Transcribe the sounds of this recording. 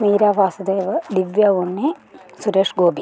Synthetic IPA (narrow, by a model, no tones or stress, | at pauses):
miːɾaːʋaːsɐd̪eːʋɐd̪iʋjaːʋonːesuɾeːʂɡoːbi